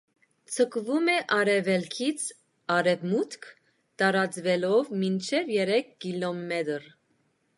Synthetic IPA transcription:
t͡sʰəkvumɛʔɑɾɛvɛlkʰit͡sʰ | ɑɾɛvmut̪kʰ | t̪ɑɾɑt͡svɛlɔvmint͡ʃʰɛvjɛɾɛkʰːilɔmɛt̪ɾ

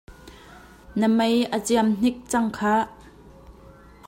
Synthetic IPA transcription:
nəmɐjʔət͡siamn̥ɪk̚t͡sɐŋkʰaː

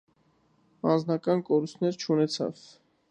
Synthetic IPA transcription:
ɑnd͡znɑkɑnkɔɾust̪ʰnɛɾt͡ʃʰunɛt͡sʰɑ̰v

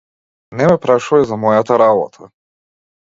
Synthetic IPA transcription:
nɛmɛpɾaʃuvazamɔjat̪aɾabɔ̰t̪ʰa

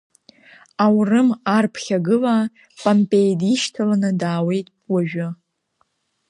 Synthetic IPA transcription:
awrɨmarpʰχʲaɡɨla | pʼampʼe̞jdiʃtʰalanɨdaːwe̞jtʼwaʒᶣʊ

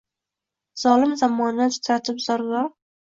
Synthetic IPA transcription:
z̥ɒlɪmzamːɒnat͡ʃɪ̥t̪ʰaɾt̪ʰɪpz̥ɒɾlɒɾ

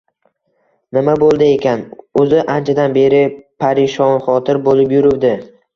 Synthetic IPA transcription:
nɪmabolˠd̪ɪe̞kʲanɵzɪʔant͡ʃʰad̪anbe̞ɾɪpʰaɾɪʃɒnχɒt̪ʰɪɾbolɪpjʊɾɪwd̪ɪ

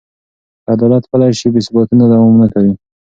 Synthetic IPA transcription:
ad̪ɑlat̪pəlajʃibesbat̪unad̪awɑmnakawi

